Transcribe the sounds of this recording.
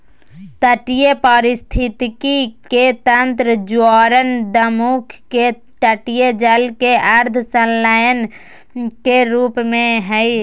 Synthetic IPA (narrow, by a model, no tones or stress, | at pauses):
t̪əʈijepəɾɪst̪ʰɪt̪kiket̪ə̃nt̪ɾəd͡ʒwɔːɾənd̪əmukʰː | e | ʈəʈijed͡ʒəlkeʔəɾd̪ʱʰsənlaːjən | keɾuːpmẽɦɛi